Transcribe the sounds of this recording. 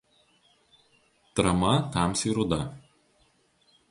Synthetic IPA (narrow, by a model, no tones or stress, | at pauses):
t̪ɾɐmɐt̪ɑˑmsiːɾʊd̪ɐ